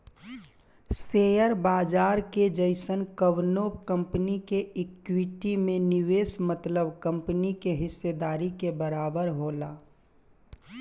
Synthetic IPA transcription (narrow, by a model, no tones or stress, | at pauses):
seːjəɾbaːd͡ʒaːɾked͡ʒəɪsənkəʋnoːpkə̃mpnikeɪkwiʈimẽnɪweːsmət̪ləbkə̃mpnikeɦɪsːed̪aːɾikebəɾaːbəɾɦoːlaː